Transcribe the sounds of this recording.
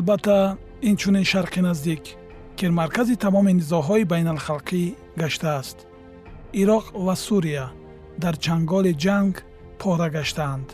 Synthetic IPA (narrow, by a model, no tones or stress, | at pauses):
albat̪ʰːa | int͡ʃʰuninʃaɾqinazd̪ik | kiɾmaɾkʰazit̪ʰamɔminizɔɦɔibajnalχalqʰi | ɡaʃt̪aːst̪ | iɾɔqvasuɾia | d̪aɾt͡ʃʰaŋɡɔlid͡ʒaŋɡ | pʰɔɾaɡaʃt̪aːnd̪̥